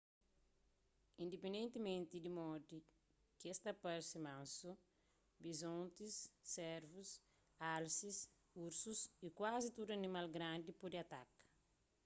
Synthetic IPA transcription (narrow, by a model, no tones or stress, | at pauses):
ĩnd̪epẽnd̪ẽnt̪imẽnt̪id̪imɔd̪i | kest̪ɐpɐɾsimãnsu | bizõnt̪isːɛɾvus | alsis | uɾsusikwazit̪ud̪uɐnimalɡɾãnd̪ipud̪iɐt̪ak